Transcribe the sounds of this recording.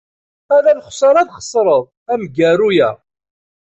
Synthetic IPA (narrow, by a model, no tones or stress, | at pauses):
æðælχsˤɑɾˤɑðχə̥sˤɾˤəðˤ | æmɡæɾujæ